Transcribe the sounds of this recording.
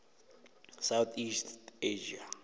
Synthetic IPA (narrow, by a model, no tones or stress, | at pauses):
sawt̪ʰisteʒia